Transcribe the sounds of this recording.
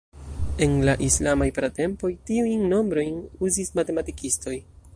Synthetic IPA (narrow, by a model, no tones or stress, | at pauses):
e̞nlaʔislamajpɾate̞mpo̞jtiujnːo̞mbɾo̞jnuzismate̞matikisto̞j